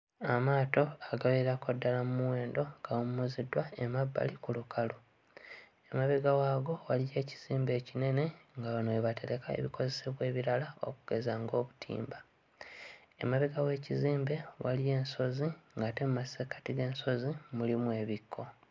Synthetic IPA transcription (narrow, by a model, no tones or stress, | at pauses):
amaːto̞aɡaβeɾakodːalamumuwe̞ːndo̞ŋɡawomumuzidwaemabːa̰likulukʰalo | emaβeɡawaːɡo̞walije̞ːci̥z̥iːmbe̞ːcine̞ne̞ŋɡaβanoeβatʰe̞ɾe̞kaḛβiko̞ze̞se̞βwe̞ːβiɾalao̞̰kuɡ̥e̞zaŋɡo̞ːβutʰḭːmba | e̞̰maβeɡawe̞ːciziːmbe̞walije̞ːnso̞ziŋɡaːte̞mumasekḁtiɡe̞ːnso̞zimulimwe̞ːβikʰːo̞